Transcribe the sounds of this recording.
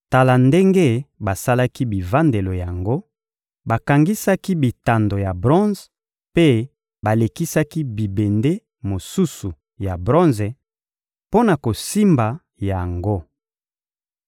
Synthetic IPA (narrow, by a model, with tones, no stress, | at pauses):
ta˨la˨nde˦ŋɡe˦ba˨sa˦la˦ki˦bi˨va˦nde˨lo˨ja˨ŋɡo˦ | ba˨ka˨ŋɡi˦sa˦ki˦bi˨ta˨ndo˨ja˨bʁɔ̃˦z | pe˦ | ba˨le˨ki˦sa˦ki˦bi˨be˨nde˦ | mo˨su˦su˨ | ja˨bʁɔ̃˦nze˨ | po˦na˨ko˨si˦mba˨ | ja˨ŋɡo˦